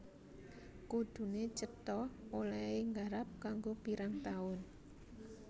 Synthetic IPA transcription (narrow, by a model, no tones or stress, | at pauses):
kud̪̥ṳnet͡ʃət̪ɔolaɪŋɡaɾap̚kaŋɡopiɾaŋt̪aʊn